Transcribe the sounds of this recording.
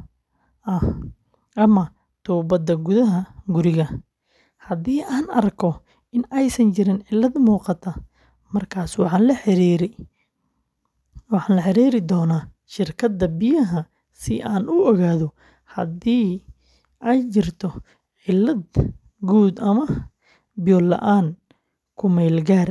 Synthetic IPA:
ɐh | ʔɐmɐ | t̪ʰuːbɐd̪ɐɡʊðɐɦɐɡʊɾɪɣɐ | hɐd̪iːʔaːnɐrkʰɔ | ɪnɛjsɐnt͡ʃɪɾɪnʕɪlːɐd̪muːqɑt̪ʰɐ | mɐrkʰaːswɑħɑːnlɐħɪɾiːɾɛj | wɑħɑːnlɐħɪɾiːɾɪd̪ɔːnaː | ʃɪrkʰɐd̪ːɐbɪjɐɦɐ | sɪʔaːnʔʊɔɣaːðɔ | hɐd̪iː | ʔɛjt͡ʃɪrt̪ʰɔ | ʕɪlːɐd̪ | ɡuːd̪ɐmɐ | bɪjɔːlːɐ̰ʔaːn | kʰʊmɛːlɡaːr

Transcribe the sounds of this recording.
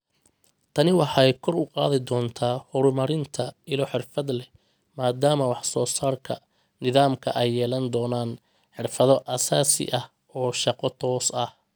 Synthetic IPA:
t̪ʰɐnɪwɑħjkʰɔrʊqɑːðɪd̪ɔːnt̪ʰaːhʊɾʊmɐɾɪnt̪ʰɐɪlɔħɪrfɐd̪lɛ | maːd̪aːmɐwɑħsɔːsaːrkʰɐ̰ | nɪðaːmkʰɐ̰ʔɛjːɛːlɐnd̪ɔːnaːn | ħɪrfɐðɔʔɐsaːsɪ̰ʔɐh | ɔːʃɑqɔt̪ʰɔːsɐh

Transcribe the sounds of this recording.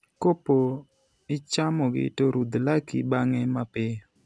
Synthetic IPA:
kopo | ɪt͡ʃamɔɡɪ̰toɾud̪lakḭbaŋɛmapɪ

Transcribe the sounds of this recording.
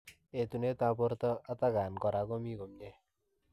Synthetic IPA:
et̪unet̪ãpɔɾt̪ɔat̪aɡaːnkɔɾakomiɡomɲe

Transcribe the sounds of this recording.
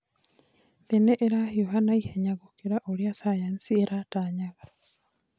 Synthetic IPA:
ðeneʔeɾahioɦanaiheɲaɣokiɾaʔoɾjasajansieɾataːɲaɣa

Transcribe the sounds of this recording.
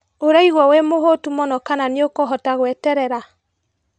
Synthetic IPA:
oɾaiɣwɔwemoɦotumɔnɔkananeokɔɦɔtaɣwɛtɛɾɛɾa

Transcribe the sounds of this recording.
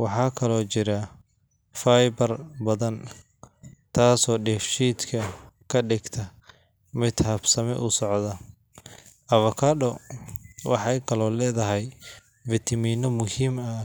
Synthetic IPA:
wɑħɑːkʰɐlɔːt͡ʃɪɾɐ | fajbɐrbɐðɐn | t̪ʰaːsɔːɖɛfʃiːt̪kʰɐkʰɐɖɪɡt̪ʰɐ | mɪd̪hɐbsɐmɛ̰ʔʊsɔʕðɐ | ʔɐβɐkʰɐɖɔ | wʔɑ̰ħɑjkʰɐlɔːlɛːðɐɦɛj | vɪt̪ʰɐmiːnɔmʊhiːmɐ

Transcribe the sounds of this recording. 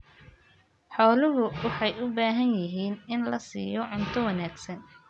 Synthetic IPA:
ħɔːlʊɦʊwɑħɑjʊbaːɦɐnjɪɦiːnɪnlɐsḭːjɔʕʊnt̪ʰɔwɑnaːɡsɐn

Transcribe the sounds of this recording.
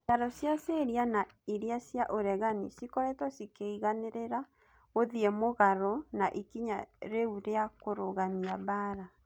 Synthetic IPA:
saɾɔsjaseɾiana | iɾeasjaʔoɾɛɣanḭsikɔɾɛtwɔsikeiɣaneɾeɾa | oðiɛmoɣaɾɔnaʔikiɲaɾeuɾeakoɾoɣamiaβaːɾa

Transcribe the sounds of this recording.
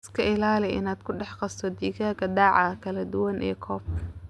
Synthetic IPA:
skʰɐɪlaːlɛʔɪ̰naːd̪kʰʊɖɑħqɑst̪ʰɔd̪iːɣaːɡɐd̪ɑːʕɑkʰɐlɐd̪ʊwɐnʔɛ̰ːkʰɔːb̚kʰɐ

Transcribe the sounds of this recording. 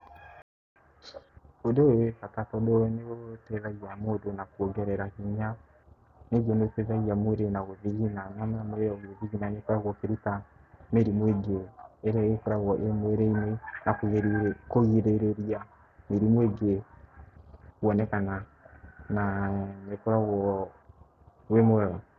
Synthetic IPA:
odoekatatɔdoneotɛðaɣiamodonakuɔɡɛɾɛɾakiɲa | neɡoneotɛðaɣiamoɾenaɣoðiɣinaɲamaamoɾeɔɣeðiɣinanekɔɾaɣɔkeɾuta | meɾimweɡeɛɾaɣekoɾaɣɔʔemwɛɾeinenakoɣeɾkoɣiɾeɾeɾia | meɾimweɡe | uwɔnɛkana | naɲekoɾaɣɔ | wemwɛɣɔ

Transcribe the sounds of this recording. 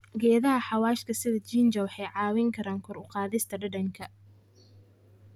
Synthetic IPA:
ɡɛːðɐɦɐħɑwɑːʃkʰɐsɪðɐt͡ʃiːnd͡ʒɐwɑħɛjʕɑːwɪŋkʰɐɾaːŋkʰɔɾʊqɑːðɪst̪ʰɐɖɐɖɐŋkʰɐ

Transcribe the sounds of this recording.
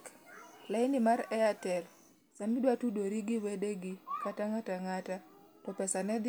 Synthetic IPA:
laɪnimaɾɛatɛl | samidwatudoɾiɡiwedeɡikataŋataŋata | tɔpɛsanɛd̪

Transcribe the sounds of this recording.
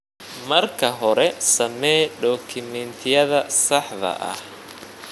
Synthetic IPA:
mɐrkʰɐɦɔɾɛsɐmɛːɖɔːkʰɪmɛnt̪ʰɪjɐðɐsɑħðɐ̰ʔɐ̰h

